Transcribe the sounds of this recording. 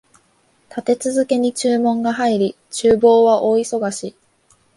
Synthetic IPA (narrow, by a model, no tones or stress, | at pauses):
t̪at̪e̞t͡sɨzɨke̞ɲ̟it͡ɕɨːmõ̞ŋɡaɦaiɾʲi | t͡ɕɨːbo̞ːβaʔo̞ːiso̞ɡaɕi